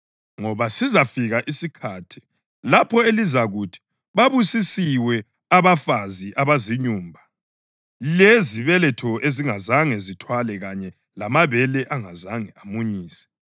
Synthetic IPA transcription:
ŋɔβasizafiɣaʔisikʰatʰi̥ | lapʰɔelizaɣutʰi̥ | βaβusisiwɛ | aβafaziʔaβaziɲuːmbʱa | leziβɛlɛtʰɔeziŋazaŋɛzitʰwalɛɣaɲɛ | lamaβɛlɛʔaŋazaŋɛamuɲiːsɛ̥

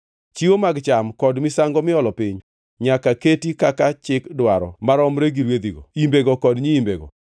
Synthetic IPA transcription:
t͡ʃiwomaɡt͡ʃamkɔdmɪsaŋɡɔmɪɔlɔpɪɲ | ɲakaketikakat͡ʃɪkdwaɾɔ̰maɾɔmɾeɡiɾwed̪iɡoimbeɡɔkɔdɲiimbeɡɔ̰

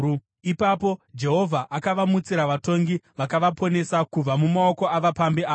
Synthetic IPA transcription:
ipapo̞d͡ʒe̞ɦo̞vʱaʔakaʋamut͡siɾaʋato̞ŋɡiʋakaʋapʰo̞ne̞sakub͡vamumao̞ko̞aʋapambiaː

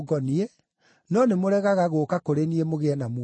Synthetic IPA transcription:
ɡɔnie | nɔnemoɾɛɣaɣaɣoːkakoɾeniemoɣeɛnam

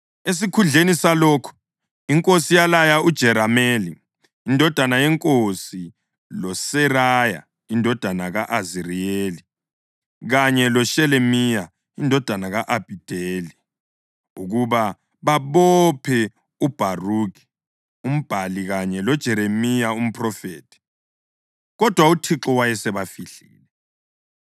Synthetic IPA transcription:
es̬ikʰund͡ɮʱenisalɔkʰu̥ | iŋkʼosijalajaud̥ʒ̥ʱɛɾameːliː | ndʱɔd̥ʱanajɛŋkʼosi | lɔsɛraja̰ | indʱɔd̥ʱanaɣaʔazirieːli | ɣaɲɛlɔʃɛlemija | indʱɔd̥ʱanaɣaʔab̥ʱid̥ʱeli | uɣuβa | βaβɔpʰɛ | ub̥ʱaruki̥ | um̩b̥ʱaliɣaɲɛlɔd̥ʒ̥ʱɛɾemijaum̩pʰʼrɔfeːtʰi̥ | ɣɔd̥ʱwautʰiǁɔwajɛsɛβafiɬḭːlɛ

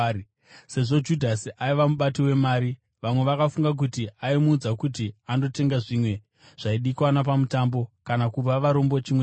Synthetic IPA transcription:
se̞ʐo̞d͡ʒudʱasiʔaiʋamuɓatiwe̞maːɾi | ʋamwe̞ʋakafuŋɡak̬utiaimuːd͡zakut̬iando̞te̞ŋɡaʐimwe̞ | ʐ̥aiɗikwanap̬amutambo̞kanakub͡vaʋaɾo̞mbo̞t͡ʃimwe

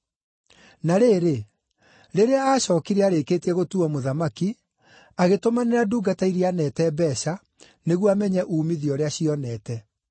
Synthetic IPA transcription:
naɾeːɾe | ɾeɾeaaːɕɔːkiɾɛaɾekeːtiɛɣotuɔmoðamaki | aɣetomaneɾaduːɡataiɾianɛtɛbɛɕa | neɣwamɛɲɛʔuːmiðiɔɾeaɕiɔnɛːtɛ

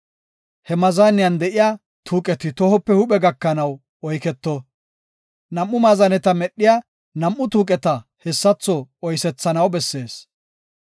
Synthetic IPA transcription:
hɛmɐzanɪjɐnd̪ɛʔɪja | t̪ʰuːkʼɛt̪ɪt̪ɔhɔpːɛhʊɓɛɡɐkːɐnɐw | ɔjkɛt̪ːɔ | nɐmʔːʊmaːzɐnɛt̪ɐmɛɗːɪja | nɐmʔːʊt̪uːkʼɛt̪ɐhɛsːɐt͡sːɔɔjsɛt͡sːɐnɐwbɛsːe̞ːs

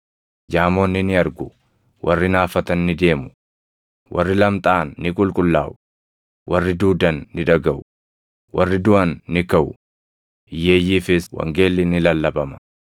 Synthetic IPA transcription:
d͡ʒaːmo̞ːnːɪnɪɐɾɡʊ | wʔɐ̰rːɪnaːfɐt̪ɐnːɪd̪e̞ːmʊ̥ | wʔɐrːɪlɐmt̪ʼaːnːɪkʼʊlkʼʊlːaːʔʊ | wʔɐrːɪd̪uːd̪ɐnːɪᶑɐɡɐʔʊ | wʔɐrːɪd̪ʊʔɐnːɪkɐʔʊ | ɪje̞ːjːiːfɪswɐ̰ŋɡe̞ːlːɪnɪlɐlːɐbɐmɐ̥

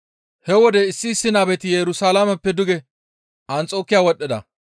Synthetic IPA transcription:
hɛwɔd̪ɛɪsːɪːsːɪnaːbɛt̪ɪjɛɾʊsaːlamɛpːɛd̪ʊɡɛ | ʔɐnt͡sʼo̞ːkːɪjaːwɔɗːɛd̪ɐ̰

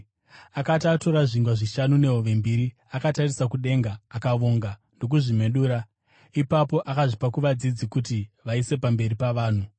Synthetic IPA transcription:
akatato̞ɾaʐiŋɡwaʐiʃanune̞ɦoʋe̞mbiɾi | akatarisakuɗe̞ŋɡaːkaʋoːŋɡa | ndo̞k̬uʐime̞ɗuːɾa | ipapo̞ʔakaʐipakuʋad͡zid͡zikutiʋaise̞pambe̞ɾipaʋaːn̤u

